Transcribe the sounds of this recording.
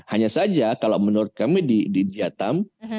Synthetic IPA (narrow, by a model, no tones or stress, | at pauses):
haɲasad͡ʒakalawmənuɾʊt̪̚kamidididiat̪am